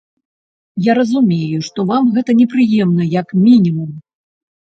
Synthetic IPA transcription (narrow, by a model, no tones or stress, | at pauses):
jaɾɐzumʲejuʂt̪ɔvamɣɛt̪ɐnʲɛpɾɨjɛmnɐjɐkmʲinʲimum